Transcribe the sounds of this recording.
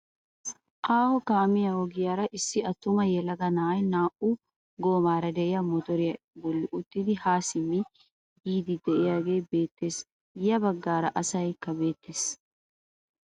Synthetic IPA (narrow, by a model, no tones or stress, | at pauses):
ʔaːhɔkaːmɪjɐwɔɡɪjaːɾɐʔɪsːɪɐt̪ːʊmɐjɛlɐɡɐnaːjnaːʔʊ | ɡo̞ːmaːɾɐd̪ɛʔɪjɐmɔt̪ɔɾɪjɐ | bɔlːɪʔʊt̪ːɪd̪ɪhaːsɪmːɪ | jiːd̪ɪd̪ɛʔɪjaːɡe̞ːbe̞ːt̪ːe̞ːs | jɐbɐɡːaːɾɐʔɐsɐjkːɐbe̞ːt̪ːeːs